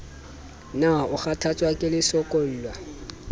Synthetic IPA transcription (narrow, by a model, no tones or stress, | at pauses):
naʊχatʰat͡sʼwakʼɪlɪsɔkʼol̩ːlwa